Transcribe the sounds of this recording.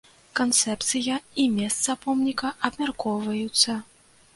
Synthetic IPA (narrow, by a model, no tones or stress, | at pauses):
kant̪sɛpt̪sɨjɐimʲɛst̪sɐpɔmnʲikɐʔɐbmʲarkɔwvɐjut̪sːɐ